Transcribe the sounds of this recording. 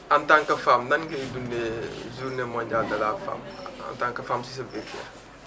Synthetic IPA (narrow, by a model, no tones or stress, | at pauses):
ʔɐntaŋkɐfamnɐnɡɐidunːɛzunɛmɔɲd͡ʒaːldɐlaːfa̰mɐ̰ntaŋkɐfamsis̬ɐbekɛ̰